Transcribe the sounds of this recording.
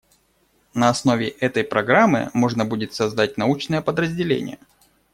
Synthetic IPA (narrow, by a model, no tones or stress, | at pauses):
nəɐsno̞vʲɪʔɛt̪əjpɾɐɡɾamːɨ̰mo̞ʐnəbudʲɪt̪sɐzd̪at̚ʲnɐut͡ɕnəjəpəd̪ɾəzʲdʲɪlʲḛnʲɪ̰jə̰